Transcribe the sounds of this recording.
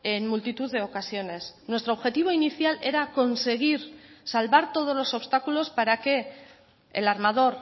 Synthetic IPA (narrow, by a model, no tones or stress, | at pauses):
enmult̪it̪uðe̞o̞kasio̞ne̞snwe̞st̪ɾoβxe̞t̪iβ̞o̞iniθjale̞ɾako̞nse̞ɣ̞iɾsalβaɾt̪o̞ð̞ozlo̞so̞βst̪akulo̞spaɾake̞ | ḛlaɾmað̞o̞ɾ